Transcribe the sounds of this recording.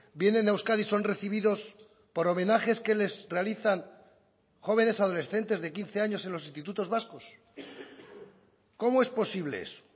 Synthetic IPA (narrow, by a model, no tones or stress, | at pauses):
bje̞nenewskaðiso̞nre̞θiβiðo̞s | po̞ɾo̞mẽ̞naχeske̞le̞zre̞aliθaŋ | χo̞β̞e̞ne̞saðo̞le̞sθe̞nt̪e̞zðe̞kin̟θe̞aɲo̞se̞nlos̬inst̪it̪ut̪o̞zβaskos | ko̞moe̞spo̞siβle̞̰ḛso̥